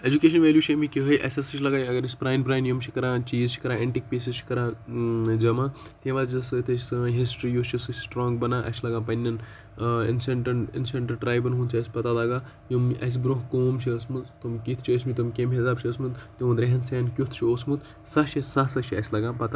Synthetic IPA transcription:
ed͡ʒukeːʃɐnʋeːlʲjuːt͡ʃʰʲemikʲiɦɐjʔɐ̰sʲɐsɐt͡ʃʰʲlɐɡaːjɐɡəɾisʲpɾaːjnpɾaːjnjimt͡ʃʰikɐɾãːt͡ʃiːzt͡ʃʰi̥kɐɾãeɳʈik̚peːsizt͡ʃʰi̥kɐɾaːd͡ʒɐma | t̪ẽʋazɐst̪ʰeɦisʈɾijut͡ʃʰisɨsʈɾõːŋɡbɐnaːʔɐ̰slɐɡãːpɐnʲːɐn | ḭnsɐɳʈɐinseɳʈɐɾʈɾaːjbɐnɦunt͡ʃʰiɐsʲpɐt̪alɐɡaː | jumʔɐ̰s̬bɾoɦkoːmt͡ʃʰiəsmuzt̪omkit̪ʰt͡ʃʰiəsʲmit̪ɐmkʲemɦisaːbt͡ʃʰiəsmud̪t̪eʋɐd̪ɾeɦɐnsaːnkʲut̪ʰt͡ʃʰiosmut̪ | sɐʃisɐɦsɐt͡ʃʰiɐ̰sʲlɐɡãːpɐt̪a

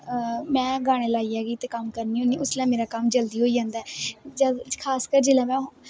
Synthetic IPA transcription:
mɛ̃ːɡaːɽ̃eːlaːiːaːɡiːt̪eːkəmkəɾniːɦõːniːʊslɛ̃ːmeːɾaːkəmd͡ʒəld̪iːɦoːiːd͡ʒãːnd̪aɛːd͡ʒəkʰaːskəɾd͡ʒeːlɛ̃ːmɛ̃ː

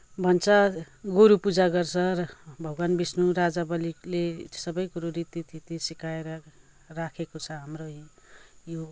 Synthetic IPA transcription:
bʱʌnt͡sʰʌ | ɡoɾupud͡zaɡʌrt͡sʰʌʌbʱʌɡwanbisnuɾad͡zabʌliklesʌbʌjɡoɾuɾit̪it̪ʰit̪isikaeɾʌ | rakʰekot͡sʰʌɦamro | jo

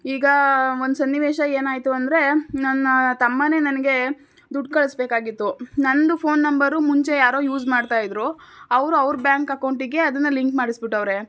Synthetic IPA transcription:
iːɡɐo̞nd̪sɐnːiʋeːʃɐeːnaːjt̪uɐnd̪ɾe̞nɐnːɐt̪ɐmːɐne̞ːnɐnɐɡe̞ | d̪uɖkɐɭisbeːkaːɡit̪ːunɐnd̪upʰoːnːɐmbɐɾumuɲt͡ʃe̞jaːɾoːjuːd͡ʒmaːɖt̪aːjid̪ɾuɐʋɾuɐʋɾbjaːŋkɐkɐwɳʈiɡe̞ɐd̪ɐnːɐliŋkmaːɽisbiʈːɐʋɾe̞

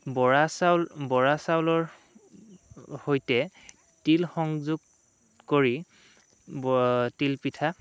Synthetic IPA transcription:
bɔɹasawlbɔɹasawlɔɹ | hojtɛ | tilxɔŋzuɡ | koɹi | tilpitʰa

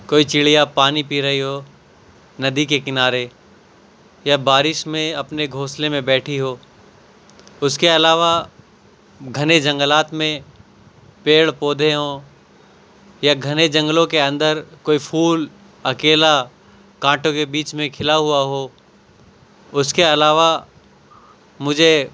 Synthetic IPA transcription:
koːit͡ʃɪɭijapaːnipiːɾɐɦiɦoː | nɐd̪ʱikekɪnaːɾe | jabaːɾɪʃmẽɐpneɡʱoːslemẽbɛːʈʰiɦoː | ʊskeɐlaːʋa | ɡʱɐned͡ʒɐ̃ŋɡəlaːt̪mẽ | peːɭpoːd̪ʱeɦõː | jaɡʱɐned͡ʒɐ̃ŋɡlõkeɐ̃nd̪əɾkoːipʰuːl | ɐkeːla | kãːʈõkebiːt͡ʃmẽkʰɪlaɦʊaɦoː | ʊskeɐlaːʋa | mʊd͡ʒʱe

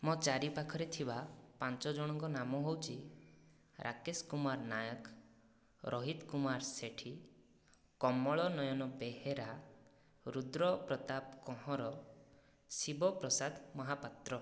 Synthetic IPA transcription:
mɔt͡ʃaɾipakʰɔɾet̪ʰibapant͡ʃɔd͡ʒɔɽ̃ɔŋkɔnamɔɦowt͡ʃʰi | ɾʔa̰keskumaɾnajɔk | ɾʔɔɦit̪kumaɾseʈʰi | kɔmːɔɭɔnɔjɔnɔbeɦeɾa | ɾud̪ɾɔpɾɔt̪apkɔ̃ɦɔ̃ɾɔ | sibɔpɾɔsad̪ʱmɔɦapat̪ɾɔ

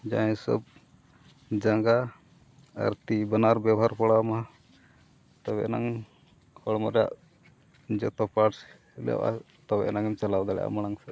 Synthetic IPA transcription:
d͡ʒã̰sɔ̰b̚ | d͡ʒaŋɡa | a̰ɾt̪ibənaɾbjawɦaɾpɔɽamaɦa | t̪ɔbɛnaŋ | hɔɽmɔɾja̰ʔ | d͡ʒɔt̪ɔpaʈs | lɛ̰wʔa̰ | t̪ɔbɛnaŋɛmt͡ʃalawd̪aɽɛ̰ʔa̰mɔɽ̃aŋsɛ

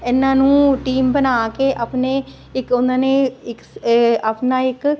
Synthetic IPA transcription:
ɪnːãːnũːʈiːmbənaːkeʔapne | ɪkʊnãːneɪkapnaːɪk

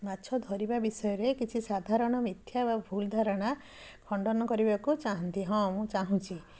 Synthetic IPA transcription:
matːʃʰɔd̪ʱɔɾibabisɔjɔɾekit͡ʃʰisad̪ʱaɾɔɽ̃ɔmit̪ʰjababʱuld̪ʱaɾɔɽ̃a | kʰɔɳɖɔnɔkɔɾibakut͡ʃaɦɔnt̪iɦɔ̃mũt͡ʃaɦũt͡ʃʰi

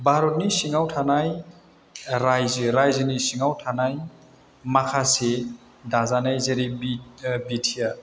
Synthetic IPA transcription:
bʱaɾɔt̚nisiŋawtʰanaj | ɾajzɯɾajzɯnisiŋawtʰanaj | makʰase | dazanajzeɾibibitʰija

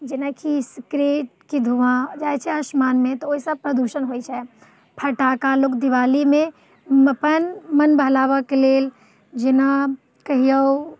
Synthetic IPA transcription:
d͡ʒɪnakʰisikɾeːʈ̚kid̪ʱuãd͡ʒaːjt͡ʃʰɛəʃmaːnmẽt̪ɔoːisɐpɾəd̪uʃənɦoit͡ʃʰɛ | pʰɐʈakalokd̪iʋaːlimẽ | məpənmənbəɦlaːʋakeleːl | d͡ʒɪna | kɐɦijəw

